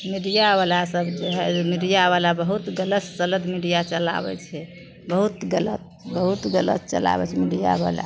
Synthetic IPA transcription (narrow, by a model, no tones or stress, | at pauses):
miɽijaβalasəbd͡ʒeɦɛmiɽijaβalabəɦut̪ɡələt̪sələd̪miɽijat͡ʃəla̰bɛ̰t͡ʃʰɛ | bəɦut̪ɡələt̪̚bəɦut̪ɡələ̰t̪̚t͡ʃə̰la̰bɛ̰t͡ʃʰɛmiɽija̰βa̰la̰